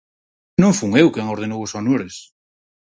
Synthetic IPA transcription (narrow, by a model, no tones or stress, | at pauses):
nõŋfuŋewkeŋoɾð̞enowosonoɾes